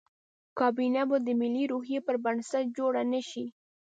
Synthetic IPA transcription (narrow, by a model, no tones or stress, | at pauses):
kɑbinabod̪əmɪliɾuhjepəɾbansat̪̚d͡ʒoɽanaʃi